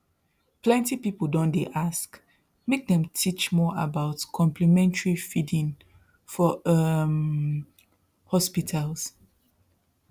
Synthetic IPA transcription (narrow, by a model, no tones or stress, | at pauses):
plɛ̃ntipipl̩dõndeʔask | mek̚dɛ̃mtʰit͡ʃmɔʔabaʊtkʰɔ̃mpʰlimɛ̃ntəɹifidĩn | fɔʌm | hɔspitʰals